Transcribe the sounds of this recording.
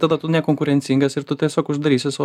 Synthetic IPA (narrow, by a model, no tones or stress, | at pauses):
t̪ɑːd̪ɐt̪ʊnʲɛkoːŋkʊɾʲɛnʲt͡s̪ʲiŋɡɐsɪɾt̪ʊt̪ʲiɛsʲoːkʊʒd̪ɐɾʲiːsʲɪsɑ